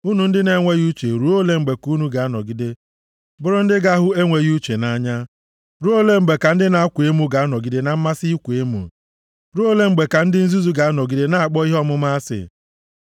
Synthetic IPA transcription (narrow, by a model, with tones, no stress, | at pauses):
u˦nu˨n̩˦dɪ˦ne˦ŋʷe˦ɣu˦t͡ʃe˨ɾu˨˦o˦le˦ŋ͡m̩˨ɡ͡be˨ku˦nu˦ɡa˨a˦nɔ˨ɡi˦de˦ | bʊ˦ɾʊ˦n̩˦dɪ˦ɡa˦ɦʊ˦e˦ŋʷe˨ɣu˦t͡ʃe˨na˦ɲa˦ | ɾu˦o˦le˦ŋ͡m̩˨ɡ͡be˨ka˨n̩˦dɪ˦na˨a˦kʷu˨e˦mu˦ɡa˨a˦nɔ˨ɡi˦de˦na˨m̩˦ma˦si˦kʷe˦mṵ˨ | ɾu˦o˦le˦ŋ͡m̩˨ɡ͡be˨ka˨n̩˦dɪ˦n̩˦zu˦zu˦ɡa˨a˦nɔ˨ɡi˦de˦na˦a˨k͡pɔ˦i˦ɦɔ˦mʊ˦ma˦a˦sɪ̰˨